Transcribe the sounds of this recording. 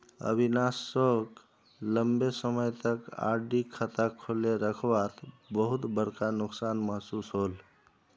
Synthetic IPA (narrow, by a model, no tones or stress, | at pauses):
ə̰bʱinasək | ləmbesəməjt̪əka̰ɾɖikʰət̪akʰoleɾəkʰbat̪ | bəɦut̪bəɾkanuksanməɦsusɦol